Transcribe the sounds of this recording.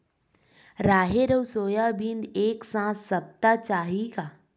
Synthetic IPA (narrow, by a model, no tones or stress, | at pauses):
ɾaːɦeɾəwsoːjabĩnd̪eːksãːsːɐb̚t̪at͡ʃaːɦiɡaː